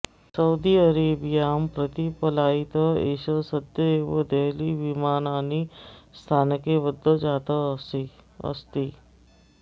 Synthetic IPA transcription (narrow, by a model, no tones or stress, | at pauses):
sɐud̪iɐɾeːbijaːmpɾət̪ipɐlaːit̪əḛːʃəsəd̪jəeːʋod̪eɦliʋimaːnaːnist̪ʰaːnkeʋəd̪ːəd͡ʒaːt̪ə | ə̰st̪i